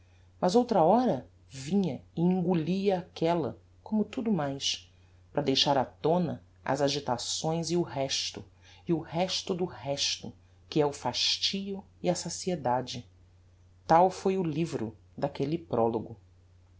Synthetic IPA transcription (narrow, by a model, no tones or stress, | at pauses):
mɐzowt̪ɾɐɔɾɐ | vĩɲɐɪĩŋɡuliɐːkɛlɐ̰ | kõmʊt̪ud̪ʊmajʃ | pɾɐd̪ejʃaɾat̪õnɐ̰ | ɐ̰zaʒit̪asõj̃zɪʊɦɛʃt̪ʊ̰ | iʊhɛʃt̪ʊd̪ʊhɛʃt̪ʊ | kɪɛʊfaʃt͡ʃiʊ | iɐsasied̪ad͡ʒɪ | t̪awfojʊlivɾʊ̰ | d̪akelɪpɾɔloɡʊ